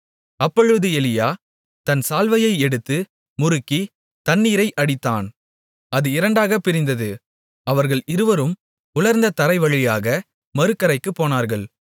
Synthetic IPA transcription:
ɐpːɔɻɯðɯɛlɪjaː | t̪ɐnsaːlʋɐjɐɪɛɽɯt̪ːɯ | mʊɾɯkːi | t̪ɐnːiːɾɐɪʔɐɽɪt̪ːaːn | ɐðɯɪɾɐɳɖaːɣɐpɪɾɪnd̪ɐðɯ | ɐʋɐɾɣɐɭɪɾɯʋɐɾɯm | ʊɭɐɾnd̪ɐt̪ɐɾɐɪʋɐɭɪjaːɣɐ | mɐɾɯkːɐɾɐɪkːɯpːoːnaːɾɣɐɭ

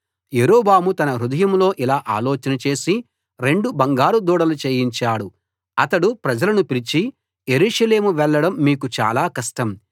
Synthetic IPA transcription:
jeɾoːbaːmut̪ɐnɐɾud̪ɐjɐmlo̞ːʔilaːʔa̰ːloːt͡ʃɐnɐt͡ʃe̞ːsi | ɾe̞ɳɖubɐŋɡaːɾud̪uːɽɐlut͡ʃeːjiɲt͡ʃaːɽu | ɐt̪ɐɽupɾɐd͡ʒɐlɐnupiɾit͡ʃi | je̞ɾuːʂɐle̞ːmuʋɛɭːɐɽɐmːiːkut͡ʃa̰ːlaːkɐʂʈɐm

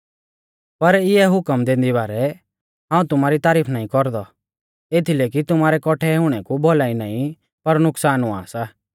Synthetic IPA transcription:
pɐɾɪɛɦʊkəmd̪ẽːnd̪ibaːɾɛ | ɦãːũt̪ʊmaːɾit̪aːɾiːpʰnaːĩkɔɾd̪ɔ | eːt̪ʰileːk̬it̪ʊmaːɾɛkɔʈʰɛɦʊɽ̃ɛkubʱɔlaːĩna̰ːĩ | pɐɾnʊksaːnũa̰ːsa

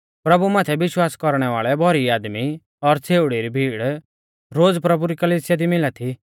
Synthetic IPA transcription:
pɾɐbumaːt̪ʰɛʋɪʃwaːskɔɾɽ̃ɛʋaːɭɛbʱɔɾiaːd̪mi | ɔɾt͡sʰeːʊɽiɾibʱiːɽ | ɾoːd͡zpɾɐbuɾikɐliːsɪjad̪imɪlat̪ʰi

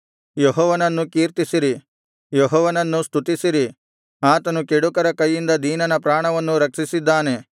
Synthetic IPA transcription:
jeɦɔːʋɐnɐnːukiːɾt̪isiɾi | jeɦɔːʋɐnɐnːust̪ut̪isiɾi | aːt̪ɐnukeɽukɐɾɐkɐjːind̪ɐd̪ʱiːnɐnɐpɾaːɳɐʋɐnːuɾɐkʂisid̪ːaːne̞

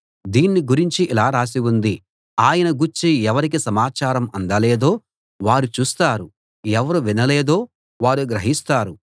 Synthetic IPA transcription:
d̪iːnːiɡuɾiɲt͡ʃiʔilaːɾaːs̬iwund̪i | aːjɐnɐɡuɾt͡ʃːiɛʋɐɾik̬isɐmaːt͡ʃaːɾɐmɐnd̪ɐleːd̪o̞ː | ʋaːɾut͡ʃuːst̪aːɾu | ɛʋɐɾuʋinɐleːd̪o̞ː | ʋaːɾuɡɾɐɦist̪aːɾu

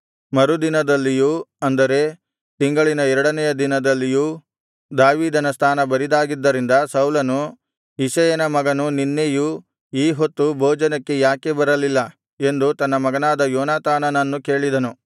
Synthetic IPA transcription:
mɐɾud̪inɐd̪ɐlːijuɐnd̪ɐɾe̞ | t̪iŋɡɐɭinɐɛɾɐɽɐnɛjɐd̪inɐd̪ɐlːijuː | d̪aːʋiːd̪ɐnɐst̪ʰaːnɐbɐɾid̪aːɡid̪ːɐɾind̪ɐsɐwlɐnu | isɐjɐnɐmɐɡɐnuninːeju | iːɦo̞t̪ːubʱoːd͡ʒɐnɐkːe̞jaːke̞bɐɾɐlilːɐ | e̞nd̪ut̪ɐnːɐmɐɡɐnaːd̪ɐjɔːnaːt̪aːnɐnɐnːuke̞ːɭid̪ɐnu

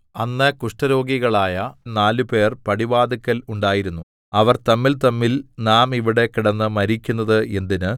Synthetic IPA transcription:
ɐnːɐkuʂʈɐɾo̞ːɡiɣɐɭaːjɐnaːlupe̞ːrpɐɽiʋaːd̪ikːɐluɳɖaːjiɾunːu | ɐʋɐrt̪ɐmːilt̪ɐmːilnaːmiʋiɽe̞kiɽɐnːɨmɐɾikʲːunːɐðɨe̞nd̪inɨ

